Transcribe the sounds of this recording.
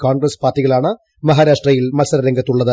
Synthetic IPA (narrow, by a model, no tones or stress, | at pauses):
kaːnɡɾɐspaːrtːiɣɐɭaːɳɨ | mɐɦaːɾaːʂʈrɐjilmɐlsɐɾɐɾɐŋɡɐt̪ːuɭːɐðɨ